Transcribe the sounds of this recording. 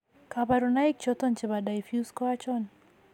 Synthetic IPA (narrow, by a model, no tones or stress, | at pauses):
kabaɾunaik̚t͡ʃɔt̪ɔnt͡ʃɪβadaifjuskɔat͡ʃɔn